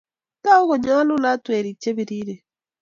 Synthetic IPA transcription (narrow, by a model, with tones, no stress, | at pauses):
ta˦o˦ɣo˨ɲa˦lu˦la˦twe˨ɾi˨t͡ʃe˦bi˨ɾiː˦ɾe˨